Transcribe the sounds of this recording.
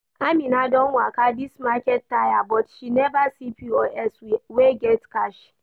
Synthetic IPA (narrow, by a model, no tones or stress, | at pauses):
ʔaminadɔnwakadismakʲɛt̚tːajabɔtʃinɛbasipioɛsweɡɛtkaʃ